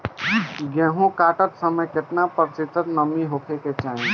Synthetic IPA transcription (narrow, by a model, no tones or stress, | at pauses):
ɡɛ̃ːɦũkaːʈət̪səməjket̪napəɾt͡ʃɪt̪ət̪nəmĩɦokʰeket͡ʃaːɦĩ